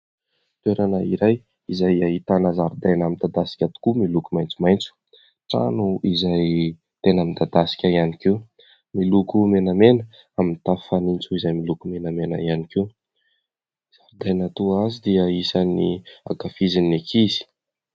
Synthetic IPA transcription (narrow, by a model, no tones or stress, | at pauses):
t̪ueɾanəiɾaj | izajaɦit̪anəzaɾud̪ajnamind̪ad̪asi̥kʲat̪u̥kumilukumajnt͡sumajnt͡su̥ | ʈ͡ʂa̰nuizaj | t̪enamind̪ad̪asi̥kʲaianikiw | milukumenamenə | amint̪afanint͡suizajmilukumenamena̰ianikew | z̥aɾud̪ajnat̪uazid̪iəisania̰kafizinekʰizi̥